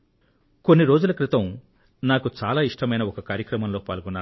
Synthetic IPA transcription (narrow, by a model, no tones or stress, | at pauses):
ko̞nːiɾo̞ːd͡ʒulɐkɾit̪ɐm | naːkut͡ʃaːlaːiʂʈɐmɐjnɐɔkɐkaːɾjɐkɾɐmɐmloːpa̰ːlɡunːaːu